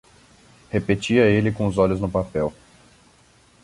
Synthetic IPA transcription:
hepet͡ʃiɐelɪkõʊzɔlʊznʊpapɛw

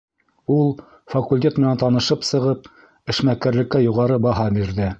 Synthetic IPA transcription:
ulˠ | fɐkulʲtʲet̪mɘ̆nænt̪ɑnɤ̆ʃɤpsɤ̆ʁɤp̚ | ɘ̆ʃmækæɾlɘ̆kːæjuʁɑɾɤbɑɦɑbiɾðɘ

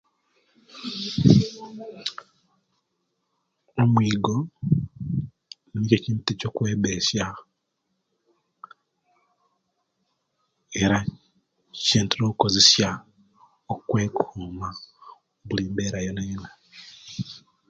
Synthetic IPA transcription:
omwiːɡo̞ | niniceciːntecokweːβesja | eɾa | ceːntinoːkukozesja | okwe̞ːkʰuːma | βuliːmbeːɾajonaɲinwe

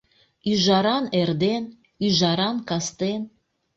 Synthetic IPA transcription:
yʒɑɾɑnerd̪en | yʒɑɾɑnkɑst̪en

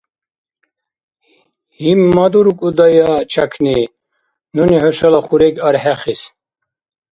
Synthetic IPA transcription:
himːad̪uɾukʼud̪ajat͡ʃʰakʰni | nunihɔʃalaχuɾɛɡaɾħɛχis

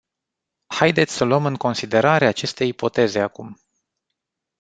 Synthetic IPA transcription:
hajd̪et̪sʲsəloəmɨŋko̞nsid̪e̞ɾaɾeaːt͡ʃe̞st̪e̞jipo̞t̪e̞ze̞akum

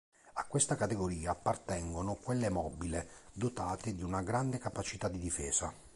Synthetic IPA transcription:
akːwest̪akat̪eɡoɾiːaːpːart̪ɛŋɡonokwelːemɔːbiled̪ot̪aːt̪ɪd̪iunaɡɾand̪ekapat͡ʃit̪ad̪ːid̪ifɛ̰ːza

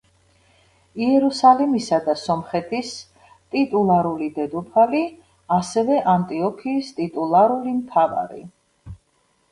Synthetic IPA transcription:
iɛɾusalimisad̪asɔmχɛt̪ʰis | t̪ʼit̪ʼulˠaɾulid̪ɛd̪upʰali | asɛvɛʔant̪ʼiɔkʰiːst̪ʼit̪ʼulˠaɾulimt̪ʰava̰ɾḭ

